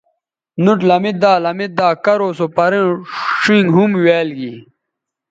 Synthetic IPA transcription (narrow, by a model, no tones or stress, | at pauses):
nuʈlɐmit̪̚d̪aːlɐmit̪̚d̪aːkɐɾoːsopɐɾẽʂiŋɡɦumweːlɡi